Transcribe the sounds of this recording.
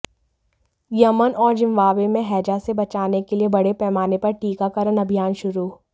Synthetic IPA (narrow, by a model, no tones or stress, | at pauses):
jɐmənɔːɾd͡ʒɪ̃mʋaːʋemẽɦɛːd͡ʒasebɐt͡ʃaːnekeliebɐɽepɛːmaːnepɐɾʈiːkakɐɾənɐbʱijaːnʃʊɾuː